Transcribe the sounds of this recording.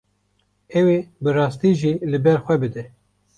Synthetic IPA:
ɛwebɨrɑːst̪iʒilɨbɛɾxʷɛbɨd̪ɛ

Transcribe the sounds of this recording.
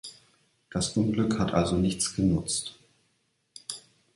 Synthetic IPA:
d̥asʔʊnɡlʏkhatʔa̰lzonɪçt͡sɡ̥ənʊt͡st

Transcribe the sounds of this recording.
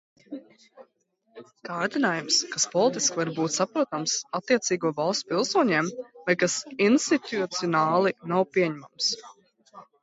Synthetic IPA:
kaːɾd̪inaːjumskaspɔlˠit̪iskvaɾbuːt̪ʲsapɾuɔt̪amsat̪ːiɛt̪siːɡuɔvalˠst̪pilˠsuɔɲɛːmvajkasinst̪it̪ut̪siɔnaːlˠinawpiɛɲɛmams

